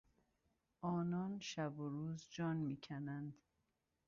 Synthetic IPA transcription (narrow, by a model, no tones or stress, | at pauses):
ʔɒːnɒːnʃæboɾuːzd͡ʒɒːnmiːcʰænænd̪